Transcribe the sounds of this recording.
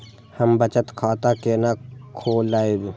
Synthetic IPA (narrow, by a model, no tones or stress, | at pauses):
həmbət͡ʃət̪kʰaːt̪akenakʰoːlːaːed̪